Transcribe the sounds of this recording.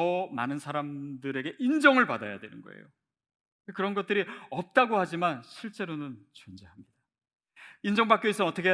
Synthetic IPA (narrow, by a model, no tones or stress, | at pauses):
ʌma̰nɯnsʰaɾamdɯɾe̞ɡe̞ʔind͡ʑʌŋɯɭpada̰ja̰dwe̞nɯ̰nɡʌ̰ḛjo | ekɯɾʌnɡʌt̚t͈ɯɾiʌp̚t͈aɡohad͡ʑimanɕʰiɭt͡ɕ͈e̞ɾonɯnt͡ɕond͡ʑeɦamɲid̥a | ind͡ʑʌŋbak͈jois͈ʌnʌt͈ʰʌkʰe